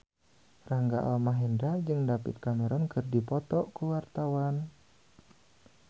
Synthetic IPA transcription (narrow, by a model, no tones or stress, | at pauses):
raŋɡa̰ʔɔ̰lmaɦɛndad͡ʒɨŋdapɪ̰t̪̚kameɾɔnkɨrdipɔt̪ɔʔkuwart̪awan